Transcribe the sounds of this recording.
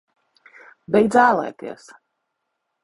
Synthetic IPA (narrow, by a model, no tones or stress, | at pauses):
bʲɛjd̪zaːlˠɛ̰ːt̪ḭɛs